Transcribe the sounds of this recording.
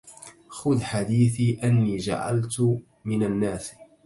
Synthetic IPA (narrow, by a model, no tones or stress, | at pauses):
xʊðħad̪iːθiːʔanːiːd͡ʒa̰ʕa̰lt̪ | mɪnanːaːs